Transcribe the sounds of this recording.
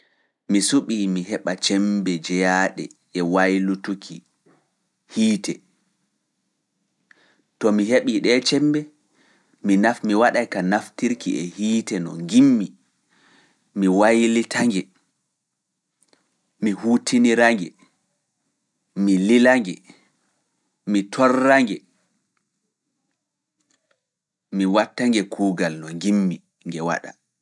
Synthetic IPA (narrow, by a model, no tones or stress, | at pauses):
misuɓiːmiɦɛɓat͡ʃɛmbɛd͡ʒɛjaɗɛ̰ | ɛwajlutukʰi | hiːtɛ | tɔmiɦeɓiɗɛːt͡ʃɛmbɛ | minafmiwaɗajkanaftiɾkiʔɛhiːtɛnɔ̰ŋɡimːi | miwajlitʰaŋɡɛ | mihuːtʰiniɾaŋɡɛ | mililaŋɡɛ | mitʰɔrːaŋɡɛ | miwatːaŋɡɛkʰuːɡalnɔŋɡimːi | ŋɡɛwa̰ɗa̰